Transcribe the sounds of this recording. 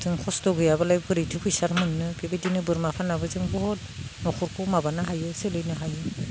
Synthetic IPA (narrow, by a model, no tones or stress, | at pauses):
zɯŋkʰɔstɔɡɯjabalajbɡʰɯɾijtʰɯpʰɯjsaɾmɯnːɯbebedinɯbɯɾmapʰanabɯzɯŋbɔhɔt̚ | nɔkʰɔɾkʰumabanɯɦajɯselɯjnɯɦajɯ